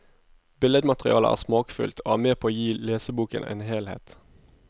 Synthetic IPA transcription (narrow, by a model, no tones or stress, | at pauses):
bɪləd̪mɑt̪ʁɪ̰ɑːlə̰ʔæ̰ːsmɑːkfʏ̰lt̪ʰoːæːʁmeːpʰoːoːjiːleːsəbuːkə̰nḛːnɦeːlhḛːt̪